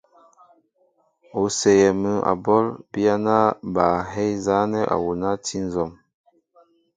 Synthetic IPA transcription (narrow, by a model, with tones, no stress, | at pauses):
o˨sɛ˨jɛ˨mə˦a̰˨bɔ˦lbi˦a˦na˦ba˨ɦɛ˦jza˨˦nɛ˦ʔa̰˨wu˨na˦tʰi˦n˦zɔ˨m